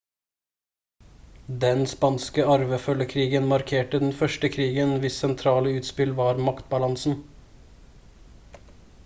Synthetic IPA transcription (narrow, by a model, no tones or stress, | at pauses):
d̪ɛnspɑnskəɑɾʋəfœlːəkʰɾiːɡənmɑɾkʰeːʈəd̪ɛn̩fœʃʈəkʰɾiːɡənʋɪsɛnt̪ʰɾɑːləʉːt̪spɪlʋɑːɾmɑkt̪̚bɑlɑnsn̩